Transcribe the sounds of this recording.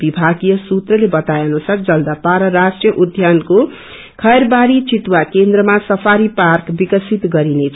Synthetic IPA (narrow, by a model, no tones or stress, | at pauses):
bibʱaɡijʌsut̪rʌlebʌt̪ajnusard͡zʌld̪apaɾʌɾasʈrjʌʔud̪ʱjanko | kʰʌjrbaɾit͡sit̪wakend̪rʌmasʌpʰaɾiparkbikʌsit̪ɡʌɾinet͡sʰ